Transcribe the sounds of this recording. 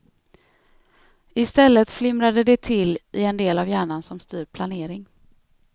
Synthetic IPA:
ɪst̪ɛlːət̪flɪmɾad̪əd̪ɛt̪ʰɪlɪɛnd̪eːlavjæːɳansɔmst̪yːɾpʰlaneːɾɪŋ

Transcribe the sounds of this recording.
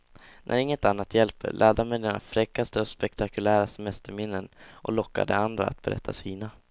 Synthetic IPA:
nʔæ̰ɾɪŋːət̪anːat̪jɛlpə̰ɾlʔaːd̪amɛd̪ɛnːa̰fɾɛːkːast̪əɔspɛkt̪akɵlæːɾasɛmɛst̪əɾmɪnːənʔɔ̰lɔkːa̰d̪əand̪ɾa̰a̰t̪̚b̥ɛɾɛ̰t̪ʰːasiːna

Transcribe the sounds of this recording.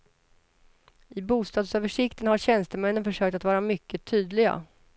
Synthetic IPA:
ɪbuːst̪ɑːd̪søːvəʂɪkt̪ənhaɾɕɛnst̪əmɛnːənfœʂøːk̚t̪at̪vɑːɾamʏkːət̪ʰyːd̪lɪɡa̰

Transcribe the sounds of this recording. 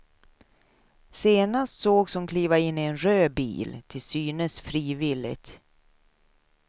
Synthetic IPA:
seːnast̪soːɡsɔmkʰliːvaɪnːɪɛnɾøːbḭːlt̪ʰɪlsyːnəsfɾiːvɪlɪ̰t̪

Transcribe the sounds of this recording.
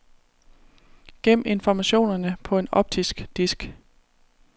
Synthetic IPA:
ɡ̥em̰me̝nfɒmæɕo̝̰ːnɐnəpʰɒ̽e̝nɒ̽b̥̚d̥isɡ̥d̥isɡ̥

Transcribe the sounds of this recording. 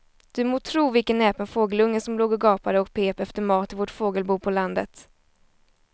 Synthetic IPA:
d̪̥ɵmoːt̪ʰɾuːvɪlkənːɛːpənfoːɡəlɵŋːəsɔmloːɡɵɡɑːpaɾəɔk̚pʰeːpɛft̪əɾmɑːt̪ɪvɔʈfoːɡəlbuːpʰɔland̪ət̪

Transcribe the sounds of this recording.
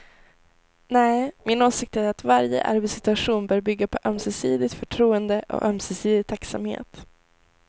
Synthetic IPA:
nɛɪmɪnoːsɪk̚t̪æɾat̪vaɾjə̰ʔa̰ɾbɛt̪sɪ̥t̪ɵaɧuːnbœːɾbʏɡːapʰɔʔœmsɪsiːd̪ɪt̪fœʈʰɾuːənd̪əʔɔ̰ʔœmsɪsiːd̪ɪɡt̪ʰaksa̰mhḛːt̪

